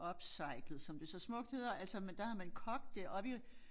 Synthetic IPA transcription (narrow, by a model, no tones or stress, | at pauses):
ɒ̽b̥sɑ̈ɪɡ̥lð̩ˠsɒ̽md̥e̝sɒ̽smɔ̽ɡ̥̚d̥he̝ðˠɐælsɒmend̥ɑ̈hɑ̈mænkʰɒ̽ɡ̥̚d̥eʔɒ̽ʋi